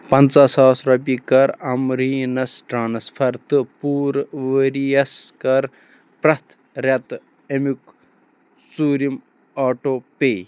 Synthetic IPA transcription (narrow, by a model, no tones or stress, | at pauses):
pɐnt͡saːsaːsɾɐpikɐɾɐmɾiːnɐsʈɾaːnɐspʰɐɾt̪ɨpuːɾʋəɾijɐskɐɾ | pɾɐt̪ʰ | ɾɐt̪ | emuk | suːɾim | aːʈoːpeː